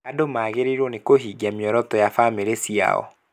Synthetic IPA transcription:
adomaɣeɾeɾwɔnekoɦiːɡiamjɔɾɔtɔjafameɾesia̰ɔ̰

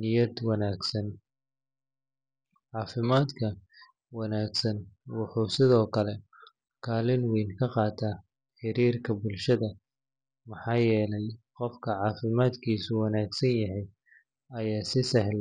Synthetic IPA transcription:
nɪjɐd̪wɑnaːɡsɐn | ʕɑːfɪmaːd̪kʰɐ | wɑnaːɡsɐnwʊħusɪðɔːkʰɐlɛ | kʰaːlɪnwɛːnkʰɐqɑːt̪ʰɐː | ħɪɾiːrkʰɐbʊlʃɐðɐ | mɑħɑːjɛːlɛjqɔfkʰɐʕɑːfɪmaːd̪kʰiːsʊwɑnaːɡsɐnjɐɦɛj | ɐjaːsɪsɐɦl

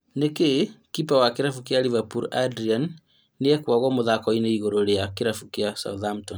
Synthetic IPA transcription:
nekekipawakeɾafukjalivapṵɾadɾianː | eɛkwaɣɔmoðakɔineiɣoɾoɾeakeɾafukjasa̰uðam̩ton

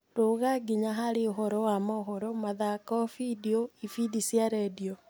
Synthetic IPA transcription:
doɣaɡiɲaɦaɾeoɦɔɾɔwamaɦɔɾɔmaðakɔfidioifidisiaɾɛdio

